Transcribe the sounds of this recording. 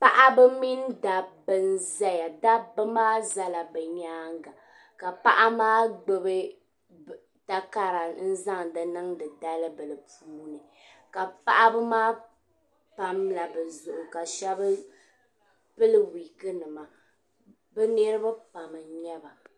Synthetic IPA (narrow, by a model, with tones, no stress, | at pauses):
pa˦ʔa˦bɨ˦mi˦n˦da˨bɨ˦n˦za˦ja˨da˦bɨ˦maː˦za˦la˨bɛ˨ɲaː˦ŋɡa˨ | ka˨pa˦ʔa˦maː˦ɡ͡bɛ˦bɨ˦ | ta˦ka˦ɾa˨n̩˦za˦ŋ˨dɨ˨nɨ˦ŋdɨ˨da˦lɨ˦bɨ˨lɨ˨puː˦nɨ˨ | ka˨pa˦ʔa˦bɨ˦maː˦ | pa˦mla˨bɛ˨zʊ˨ʔʊ˨ka˨ʃɛ˦bɨ˦ | pɨ˦lɨ˦wi˨kɨ˦nɨ˨ma˨ | bɛ˦nɨ˦ɾɨ˦ba˦pa˨mɨ˨ɲɛ˦ba˨